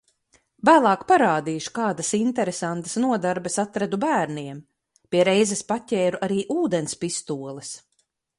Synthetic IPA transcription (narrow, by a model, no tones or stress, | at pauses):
væːlˠɑːkpaɾaːd̪iːʃu̥kaːd̪ɐsint̪ɛɾesant̪ɐ̥snuɔd̪aɾbɛsat̪ɾad̪ubæːɾniɛm | pʲiɛɾɛjzɛspatʲɛːɾuʔaɾiːʔuːd̪ɛnspist̪uɔlˠɛs